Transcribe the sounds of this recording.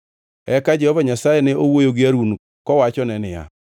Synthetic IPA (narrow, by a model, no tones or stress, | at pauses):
ɛkad͡ʒɛhɔvaɲasajeneowojoɡɪaɾun | kɔwat͡ʃɔnɛnɪja̰